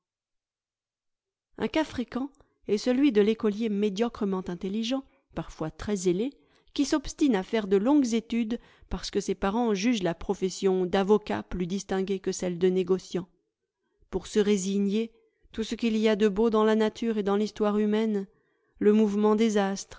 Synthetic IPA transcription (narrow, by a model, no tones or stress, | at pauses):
ɛ̰̃kafχekɑ̃ | ɛsəlɥid̪əlekɔljemed̪jɔkχəmɑ̃t̪ɛ̃t̪elːiʒɑ̃ | paʁfwat̪χɛzele | kʲisɔpst̪inafɛʁd̪əlɔ̃ɡzet̪yd̪ | paʁsə̥kəsepaʁɑ̃ʒyʒlapχɔfɛsjɔ̃d̪avɔka̰plyd̪ist̪ɛ̃ɡʲekəsɛld̪əneɡɔsjɑ̃ | puʁsəʁeziɲe | t̪usəkʲiliad̪əbod̪ɑ̃lanat̪ʰyʁed̪ɑ̃list̪waʁymɛn | ləmuvmɑ̃d̪ezast̪χ